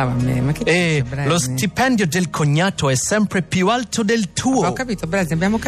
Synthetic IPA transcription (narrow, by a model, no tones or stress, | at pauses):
vamɛ̰makeɛɾlost̪ipɛ̃nd̪jod̪elkʰoɲːat̪oɛsɛmpɾepjualt̪od̪elt̪ʰuoɔkːapiːt̪obɾaziabjamoka